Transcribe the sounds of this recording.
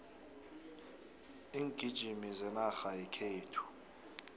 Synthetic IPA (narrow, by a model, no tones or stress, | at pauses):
iːŋɡʱʼid̥ʒ̥ʱimizɛnaxajɛkʰeːtʰu̥